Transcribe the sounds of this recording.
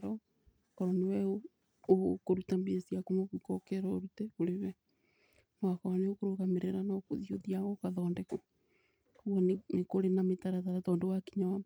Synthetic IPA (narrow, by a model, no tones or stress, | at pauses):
ɾɔ | kɔɾɔnewɛo | okoɾutambesiakonoβikɔkɛɾɔoɾutɛoɾewɛ | nwakɔɾɔneokoɾoɣameɾeɾanako̰ðioðiaɣɔkaðɔːndɛko | oɣɔnnekoɾenametaɾataɾatɔːndowakiɲawa